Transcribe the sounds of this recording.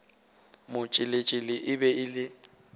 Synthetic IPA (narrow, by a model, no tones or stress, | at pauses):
mʊt͡ʃʼɪlɪt͡ʃʼɪlɪʔɪbɛʔɪlɪ